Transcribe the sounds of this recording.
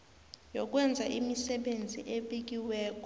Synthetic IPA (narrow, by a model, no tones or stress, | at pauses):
jɔk̬ʼwɛnd͡zʱaʔimisɛɓend͡zʱiʔeɓik̬iwɛːk̬ʼɔ